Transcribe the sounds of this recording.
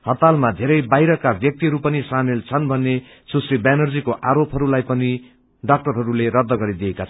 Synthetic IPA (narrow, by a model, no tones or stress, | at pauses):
hʌt̪almad̪ʱeɾʌjbajɾʌkabʱjʌk̚t̪iɦʌɾupʌnisamelt͡sʰʌnbʱʌnːe | susribanʌrd͡zikoʔaɾopɦʌɾulajpʌni | ɖʌk̚ʈʌrɦʌɾuleɾʌd̪ʱːʌɡʌɾid̪iekat͡sʰʌ